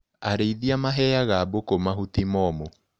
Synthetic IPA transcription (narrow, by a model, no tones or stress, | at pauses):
aɾeiðiamaɦɛjaɣaːbokomaɦut̪imɔmo